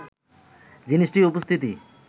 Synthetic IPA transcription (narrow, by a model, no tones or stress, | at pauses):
d͡ʑiniʃʈiupost̪ʰit̪i